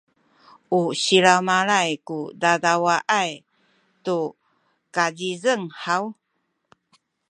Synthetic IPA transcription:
uɕiɾamaɾajkudadawaʔaj | tu | kazizəŋhaw

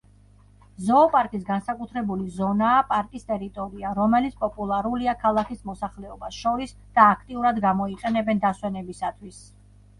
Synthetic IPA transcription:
zɔːpʼaɾkʼisɡansakʼut̪ʰɾɛbulizɔnaːpʼaɾkʼist̪ʼɛɾit̪ʼɔɾiaɾɔmɛlit̪sʰpʼɔpʼulˠaɾuliakʰalˠakʰismɔsaχlɛɔbasʃɔɾis | d̪̥aːkʰt̪ʼiuɾad̪ɡamɔiqʼɛnɛbɛnd̪aswɛnɛbisat̪ʰwis

